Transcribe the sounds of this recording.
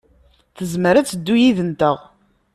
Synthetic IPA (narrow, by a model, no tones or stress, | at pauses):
θəzməɾæt͡sːəd̪ːujiðənt̪əʁ